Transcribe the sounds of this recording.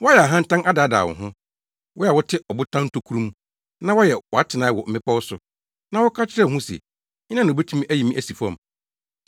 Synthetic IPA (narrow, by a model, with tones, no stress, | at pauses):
wɔ˦jɛ˨a˨ɦã˦n̩˦tã˦na˦da˨˦da̰ː˨wɔ̰˨ɦʊ̃˦ | wɔ˦ja˨wɔ˦tʰɪ˦ɔ˨bʊ˦tʰã˦n̩˦tʰo˦kʰu˦ɾũ˦m̃˦ | nã˦wɔ˦jɛ˨wɔ˨a˦tʰɪ˨nãː˨˦wɔ˨m̩˦˨ɪ̃˦pa˦wʊ˦sʊ˨ | nã˦wɔ˦kʰa˦t͡ɕʰɪ˦ɾɛ˦˨ɦũ˦sɛ̰˨ | ɲɪ̃˦nã˦ñ˨bæ˦tʰi˦mĩ˦ʔæ˦ji˨mĩ˦ʔæ˦si˨fu˨˦ã̰˦˨m˨